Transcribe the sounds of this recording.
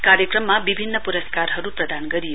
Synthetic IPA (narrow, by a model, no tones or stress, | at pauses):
kaɾjʌkrʌmːabibʱinːʌpuɾʌskarɦʌɾuprʌd̪anɡʌɾijo